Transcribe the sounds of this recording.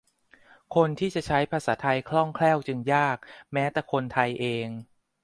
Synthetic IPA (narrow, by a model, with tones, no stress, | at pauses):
kʰo˧nt̪ʰiː˥˩t͡ɕa˨˩t͡ɕʰa˦˥jpʰaː˧saː˩˦t̪ʰa˧jkʰlɔ˥˩ŋkʰlɛː˥˩wt͡ɕɯ˧ŋjaː˥˩k̚mɛː˦˥t̪ɛː˨˩kʰo˧nt̪ʰa˧jʔeː˧ŋ